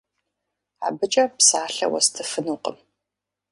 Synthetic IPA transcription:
a̰ːbɨt͡ʃʼɐpsaːɬɐ̰wɐ̰stʰɨfɨnuːqə̰m

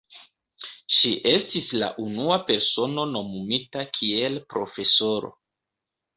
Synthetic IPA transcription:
ʃiʔe̞stisla̰ʔunuape̞ɾso̞no̞no̞mumitakʰie̞lpɾo̞̰fe̞so̞ɾo̞̰

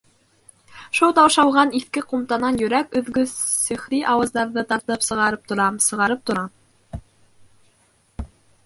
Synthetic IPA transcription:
ʃulˠt̪ɑwʃɑwʁɑniθkɘqumt̪ɑnɑnjɵ̆ɾækɵ̆ðɡɵsɘ̆χɾiʔɑwɤ̆zd̪ɑɾðɤt̪ɑɾt̪ɤpsɤ̆ʁɑɾɤp̚t̪ŏɾɑmsɤ̆ʁɑɾɤp̚t̪ŏɾɑm

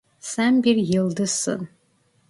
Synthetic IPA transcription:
sæmbʲirjɪldɨsɨ̰n

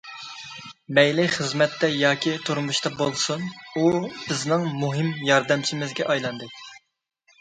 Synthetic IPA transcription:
mɛjlɪχəzmɛt̪ʰːɛjɑːkʲʰit̪ʰuɾmuʃt̪ɑbolˠsunub̥ɪznɪŋmuɦɪmjɑɾd̪ɛmt͡ʃʰimɪzɡʲɛʔɑjlˠɑnd̪ɨ

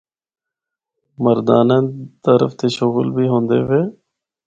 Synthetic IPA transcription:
məɾd̪aːnẽːt̪əɾə̰ft̪eːʃʊɣlbʱiːɦõːnd̪ḛːʋeː

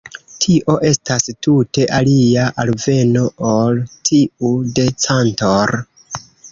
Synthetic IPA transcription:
tʰiʔo̞ʔe̞stastute̞ʔaliaʔalve̞no̞oltʰiude̞t͡santoɾ

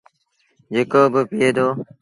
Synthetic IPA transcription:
d͡ʒekoːbəpijeːd̪oː

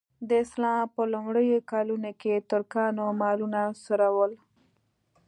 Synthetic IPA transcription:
d̪əɪslɑpəlʊmɽəjokɑlunoket̪əɾkɑnomɑlunasoɾawəl

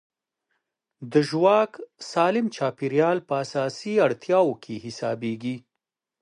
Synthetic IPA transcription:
d̪əʒwɑksɑlɪmt͡ʃɑpiɾjɑlpəasɑsiaɽt̪jɑwokʰehɪsɑbeɡi

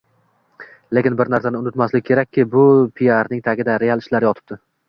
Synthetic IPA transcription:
le̞kʲɪnbɪɾnaɾsanɪʊnɪt̪maslɪkʲʰːe̞ɾak̚ʲːɪbʊpʰiaɾnɪŋt̪ʰaɡʲɪd̪aɾe̞alˠɪʃlaɾjɒt̪ʰɪ̥b̚d̪̥ɪ

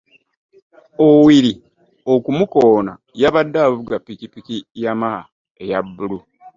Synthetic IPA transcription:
owiɾi | okumukoːna | jaβadːaːvuɡapːikipikijama | ejabːulu

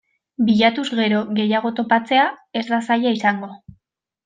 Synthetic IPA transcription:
biʎat̪uzɣe̞ɾo̞ɣe̞jaɣ̞o̞t̪o̞pat͡se̞ae̞zðasajaisaŋɡo̞

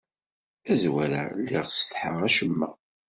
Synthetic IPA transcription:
æzwæɾæ̰lːiʁst̪ħəʁæʃəmːæ̰

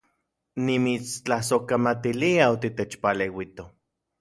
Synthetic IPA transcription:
nimit͡st͡ɬahsokamat̪iliaot̪it̪et͡ʃpalewit̪o

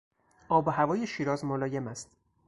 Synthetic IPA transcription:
ɒːbohævɒːjeʃiːɾɒːzmolɒːjemæst̪

